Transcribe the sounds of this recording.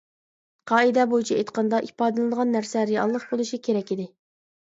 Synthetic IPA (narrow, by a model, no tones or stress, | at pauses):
qʰɑːɨd̪ɛbojit͡ʃʰiet̪qʰɑnd̪ɑʔipɑːd̪ɨlˠɨnəʁɑnːæɾsɛɾijɑ̰lˠːəχbolˠuʃikʲʰeɾɛkʲid̪ɪ